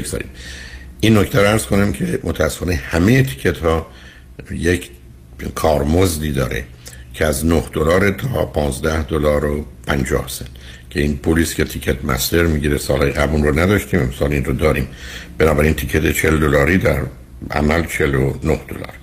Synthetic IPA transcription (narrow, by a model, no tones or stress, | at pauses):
ezɒ̰ːɾḭmʔinːoct̪ʰæɾoæɾz̥kʰo̞næmcʰe̞mot̪ʰææsːe̥fɒːnehæmejet̪ʰi̥cʰet̪hɒː | jekʰ | kʰɒːɾmozd̪iːd̪ɒ̰ːɾḛ | cʰeæznohd̪olɒːɾet̪ʰɒːpʰɒːnzd̪æhd̪olɒːɾopʰænd͡ʒɒ̰ːhsen | cʰe̞iːnpʰuːliːscʰe̞t̪ʰicʰet̪ʰmæ̰st̪e̞ɾmiɟiːɾesɒːlhɒːjeɡæbunronæd̪ɒʃt̪iːme̞msɒːlinrod̪ɒːɾiːmb̥e̞nɒːbæɾint̪ʰicʰet̪ʰe̞t͡ʃʰe̞ld̪olɒːɾiːd̪æɾ | æ̰mælt͡ʃʰelonohd̪̥o̰lɒ̰ːɾ